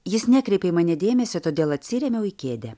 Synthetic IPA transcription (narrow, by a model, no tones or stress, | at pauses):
jɪsnʲɛkɾʲɛɪpʲeːmɑːnʲɛd̪ʲeːmʲɛsʲot̪oːd̪ʲeːlˠɐt̪ʲsʲɪɾʲɛmʲɛʊikʲeːd̪ʲɛ